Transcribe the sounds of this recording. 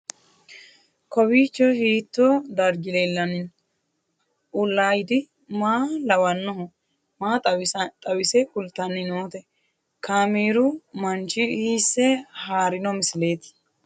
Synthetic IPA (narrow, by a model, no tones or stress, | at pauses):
kɔwiːt͡ʃːɔhiːt̪ːɔd̪ɐɾɡɪlelːɐnɪn | ʔʊlːaːjɪd̪ɪ | maːlɐwɐnːɔɦɔ | maːt̪ʼɐwɪsɛkʊlt̪ːɐnːɪnoːt̪ɛ | kaːmiːɾʊmɐnt͡ʃɪiːsːɛhaːɾɪnɔmɪsle̞ːt̪